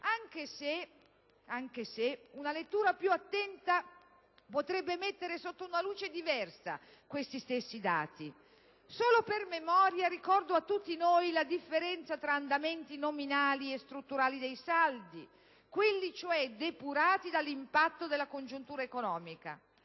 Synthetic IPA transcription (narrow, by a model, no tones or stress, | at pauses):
aŋk̟ese | aŋk̟eseunalet̪ːuːɾapjuat̪ːɛnt̪a | pot̪ɾɛbːemet̪ːeɾesot̪ːounaluːt͡ʃed̪ivɛrsa̰ | kwest̪ist̪esːid̪a̰ːt̪i | soːlopermemɔːɾjaɾikɔrd̪oat̪ːut̪ːinojlad̪ifːeɾɛnt̪sat̪ɾaːnd̪ament̪inominaːliest̪ɾut̪ːuɾaːlid̪ejsald̪i | kwelːit͡ʃoɛd̪epuɾaːt̪id̪alːimpat̪ːod̪elːakond͡ʒunt̪uːɾaekonɔːmika̰